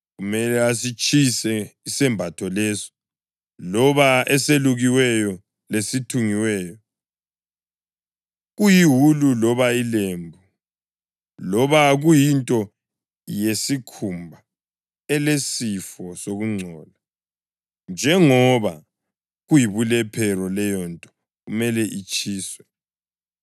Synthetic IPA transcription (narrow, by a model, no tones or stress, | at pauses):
ɣumɛlɛasit͡ʃʼʰisɛisɛmbʱatʰɔlɛsɔ̥ | lɔβaɛseluɣiwɛjɔ | lesitʰuŋiwɛjɔ | ɣujiɦululɔβailembʱu | lɔβaɣujintʼɔ | jesikʰumbʱa | ɛlesifɔsoɣuŋ͡ǀʱɔːla | nd͡ʒʱɛŋɔβa | ɣujiβulɛpʰɛrɔlɛjɔntʼɔ̥ | ɣumɛlɛʔit͡ʃʼʰiːswɛ